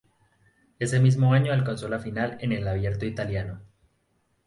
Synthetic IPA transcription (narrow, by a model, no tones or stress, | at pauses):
e̞se̞mizmoaɲoalkonso̞lafinale̞ne̞laβ̞je̞ɾt̪oit̪aljano